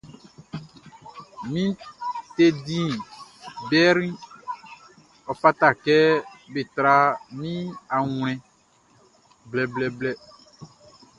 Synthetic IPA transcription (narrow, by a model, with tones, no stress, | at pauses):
mĩ˦t̪e˦dĩ˦˨ | bɛ˦ɾĩ˦ | ɔ˨pa˦t̪a˦˨kɛ˦be˨t̪ɾa˦mĩ˦a˨ŋl̃ɛ̃˨ | blɛ˨blɛ˨blɛ˦